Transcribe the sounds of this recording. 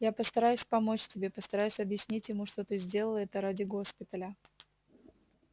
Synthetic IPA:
japəst̪ɐɾajʉsʲpɐmo̞t͡ɕtʲɪbʲe̞pəst̪ɐɾajʉsʲɐbjɪsʲnʲitʲjɪmuʂt̪ot̪ɨzʲdʲe̞lˠəlˠəɛt̪əɾadʲɪɡo̞spʲɪt̪əlʲə

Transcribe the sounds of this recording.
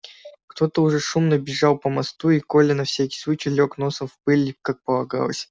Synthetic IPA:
kt̪o̞t̪əʊʐɛʂumnəbʲɪʐɑlˠpəmɐst̪uiko̞lʲɪnɐfsʲækʲɪ̥sˠut͡ɕilʲoknosəfpɨlʲikak̚pəlˠɐɡa̰lˠə̰sʲ

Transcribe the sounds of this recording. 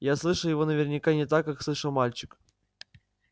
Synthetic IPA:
jaslˠɨʂəlˠjɪvo̞nəvʲɪrnʲɪkanʲɪt̪akːakslˠɨʂəlˠmalʲt͡ɕɪk

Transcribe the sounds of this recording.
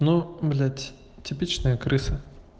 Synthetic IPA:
noblʲa | tʲɪpʲit͡ɕnəjəkɾɨsɨ

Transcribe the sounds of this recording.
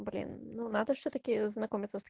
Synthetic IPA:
blʲḭnnonat̪əʃt̪ot̪əkʲiznakɔmit̪səst̪

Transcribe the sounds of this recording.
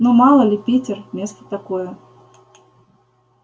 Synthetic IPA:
numɑlˠəlʲɪpʲitʲɪrmʲest̪ə̥t̪akojə

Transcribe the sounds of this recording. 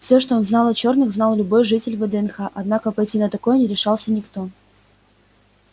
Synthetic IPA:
fsʲoʂt̪oonznɑlˠɐt͡ɕo̞rnɨxznɑlˠlʲʊbo̞jʐɨtʲɪlʲvəd̪ɛɛnxaʔɐd̪nakəpɐjtʲinət̪ɐkojnʲɪɾʲɪʂɑlˠsʲənʲɪkt̪o̞

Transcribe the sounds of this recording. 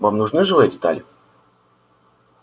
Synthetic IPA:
vamnʊʐnɨʐɨvɨjədʲɪt̪a̰lʲɪ

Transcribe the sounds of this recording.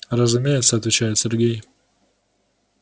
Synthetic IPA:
ɾəzʊmʲejɪt̪səɐt̪vʲɪt͡ɕæjɪt̪sʲeɾɡʲej

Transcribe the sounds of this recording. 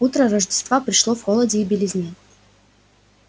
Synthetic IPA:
ut̪ɾəɾəʐdʲɪst̪vapɾʲɪʂlˠovxolˠədʲɪːbʲɪlʲɪzʲnʲi

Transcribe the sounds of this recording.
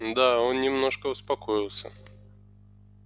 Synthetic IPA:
d̪aonnʲɪmnoʂkəʊspakɔjilˠsʲə̰

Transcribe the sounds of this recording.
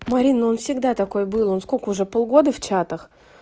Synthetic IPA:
mɐɾʲinːəo̞nfsʲɪɡd̪at̪ɐko̞jbɨlˠo̞nskokəʊʐɛpolˠɡo̞d̪əft͡ɕat̪əx

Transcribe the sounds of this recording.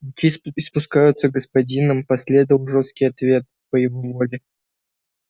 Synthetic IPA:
ʊkʲiɪspʊskajʊt̪səɡəspɐdʲinəmpɐsʲlʲe̞d̪əvəlˠʐost̪̚kʲɪjɐt̪vʲe̞t̪̚pəjɪvo̞vo̞lʲɪ

